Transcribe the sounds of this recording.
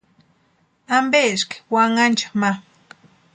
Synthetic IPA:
ambeʃke̥waŋant͡ʃḁma

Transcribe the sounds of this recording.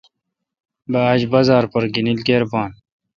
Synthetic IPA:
baːd͡ʑbɐzaːɾpɐɾɡinilkeːɾpaːn

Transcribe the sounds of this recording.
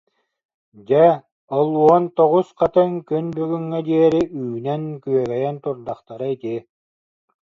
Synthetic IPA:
d͡ʑɛ | ɔlˠuɔnt̪ɔʁusqat̪ɯŋkynbyɡyŋːɛd̪iɛɾiʔyːnɛnkyœɡɛjɛnt̪uɾd̪aχt̪aɾɯit̪i

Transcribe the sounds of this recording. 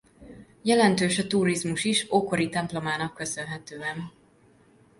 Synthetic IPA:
jɛlɛnt̪øːʃɒt̪uːɾizmuʃiʃoko̞ɾit̪ɛmplo̞maːnɒkːø̞sø̞nɦɛt̪øːɛn

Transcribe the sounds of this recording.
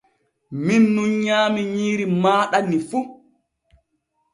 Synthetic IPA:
minːunɲaːmiɲiːɾimaːɗanːifu

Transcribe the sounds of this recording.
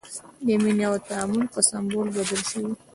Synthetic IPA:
d̪əminjawat̪aamʊlpəsambolbad̪əlʃəwi

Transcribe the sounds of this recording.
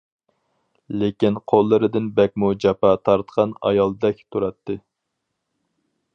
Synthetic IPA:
lekʲinqʰolˠːɨɾɨd̪ɪnbɛk̚ʲmud͡ʒɑpɑt̪ʰɑɾt̪qʰɑnɑ̰jɑlˠd̪ɛkʲt̪ʰuɾɑt̪ːɨ

